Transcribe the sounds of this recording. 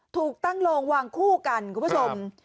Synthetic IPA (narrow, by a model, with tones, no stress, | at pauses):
t̪ʰuː˨˩k̚t̪a˥˩ŋloː˧ŋwaː˧ŋkʰuː˥˩ka˧nkʰu˧˦pʰo˧m